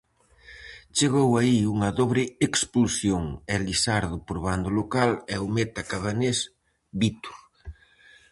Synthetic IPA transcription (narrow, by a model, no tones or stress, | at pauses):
t͡ʃeɣowaiuŋɐðoβɾɪeksplusjoŋɛlisaɾðʊpoɾβand̪olokalɛumet̪akaβanes | bit̪u̥ɾ